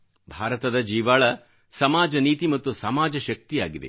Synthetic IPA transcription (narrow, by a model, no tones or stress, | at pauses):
bʱaːɾɐt̪ɐd̪ɐd͡ʒiːʋaːɭɐ | sɐmaːd͡ʒɐniːt̪imɐt̪ːusɐmaːd͡ʒɐʃɐk̚t̪ijaːɡid̪ḛ